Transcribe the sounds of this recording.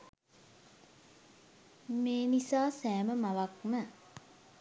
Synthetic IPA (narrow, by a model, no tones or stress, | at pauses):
meːnisaːsæːməmaʋakmə